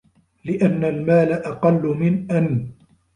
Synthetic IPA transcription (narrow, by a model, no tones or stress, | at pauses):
lɪʔanːalmaːlaʔɑqɑlːʊmɪnʔan